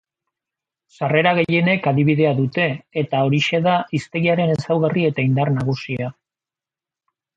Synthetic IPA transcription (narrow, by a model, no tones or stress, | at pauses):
sare̞ɾaɣ̞e̞je̞ne̞kaðiβiðe̞aðut̪e̞ːt̪ao̞ɾiʃe̞ðaist̪e̞ɣiaɾe̞ne̞sawɣarie̞t̪aind̪arnaɣ̞usia